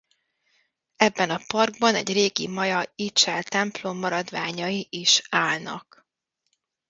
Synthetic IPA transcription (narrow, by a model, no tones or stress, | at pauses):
ɛbːɛnɒpɒrɡbɒnɛ̰ɟreːɡimɒjɒit͡ʃɛlt̪ɛmplo̞mːɒɾɒd̪ʋaːɲɒiʔiʃaːlnɒ̰k